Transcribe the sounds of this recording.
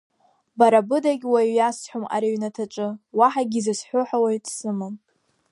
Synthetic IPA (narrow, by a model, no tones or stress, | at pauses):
baɾabɨdaɡʲwajjasħʷᶣoma̰ɾiɥnatʰaʈ͡ʂʼɨwaħaɡʲizɨsħʷʊħawajtʼsɨmam